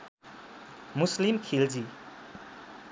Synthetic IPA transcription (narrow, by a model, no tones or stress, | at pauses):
muslimkʰild͡zi